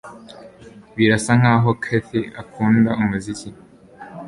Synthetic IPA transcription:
βiɾasaŋ̥aːɦo̞kʰeθeakʰuːndaumuzici

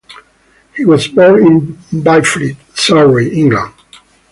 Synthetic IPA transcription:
hiwʌzbɔɹnɪ̃nbajflit | saɹiʔɪ̃ŋɡlə̰̃n

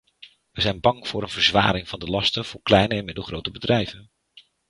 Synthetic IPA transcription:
ʋəzɛjnbɑŋv̥ʊːɾənvəɹzʋa̰ːɾɪŋvɑndəlɑstənv̥ʊːɹklɛjnəɛnmɪdəlˠχrowtəbədrɛjvən

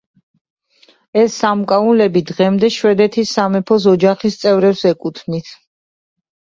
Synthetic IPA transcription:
ɛsːamkʼaulɛbid̪ʁɛmd̪ɛʃwɛd̪ɛt̪ʰisːamɛpʰɔs̬ɔd͡ʒaχist̪sʼɛvɾɛpsɛkʼut̪ʰnit̪ʰ

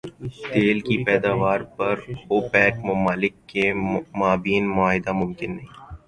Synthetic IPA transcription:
t̪eːlkipɛːd̪aːʋaːɾpɐɾoːpɛːkmʊmaːlɪkːemaːbiːnmʊaːɦɪd̪amʊmkɪnːɐɦĩː

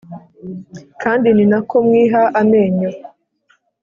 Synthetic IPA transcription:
kʰaːndininako̞mŋwiːɦaʔameːɲo

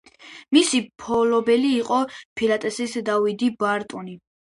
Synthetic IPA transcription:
misipʰɔlɔbɛliːqʼɔpʰilat̪ʼɛsisd̪avid̪ibaɾt̪ʼɔni

